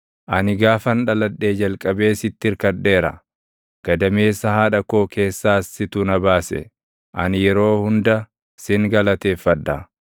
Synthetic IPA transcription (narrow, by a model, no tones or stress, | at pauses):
ʔɐnɪɡaːfɐnᶑɐlɐᶑːe̞ːd͡ʒɐlkʼɐbe̞ːsɪt̪ːɪɾkɐd̪ːe̞ːɾɐ̰ | ɡ̥ɐd̪ɐme̞ːsːɐhaːᶑɐko̞ːkʰe̞ːsːaːsːɪt̪ʊnɐbaːsɛ̰ | ʔɐnjɛɾo̞ːhʊnd̪ɐ | sɪŋɡɐlɐt̪e̞ːfːɐᶑ̪ːɐ